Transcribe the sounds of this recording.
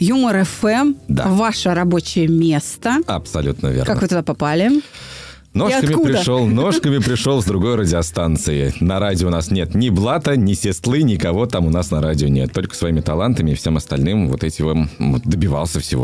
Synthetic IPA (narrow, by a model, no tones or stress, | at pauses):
juməɾɛfɛmd̪a̰vaʂəɾɐbo̞t͡ɕɪjəmʲe̞st̪əɐpsɐlʲut̪nəvʲḛrnkːak̪kvɨt̪ʊd̪apɐpalʲɪ | noʂɐkəmʲɪpɾʲɪdʂolˠno̞ʂkəmʲɪpɾʲɪʂolˠzd̪ɾʊɡo̞jɾədʲɪɐst̪ant̪sɨɪnɐɾadʲɪoʊnasnʲe̞t̪nʲɪblˠat̪ənʲɪsʲɪst̪lˠɨnʲɪkɐvo̞t̪amʊnasnɐɾadʲɪonʲet̪ːo̞lʲkə̥svɐimʲɪt̪ɐlˠant̪əmʲɪːfsʲe̞mɐst̪ɐ̰lʲnɨmvo̰t̪ɛtʲɪvomd̪əbʲɪva̰lˠsʲəfsʲɪvo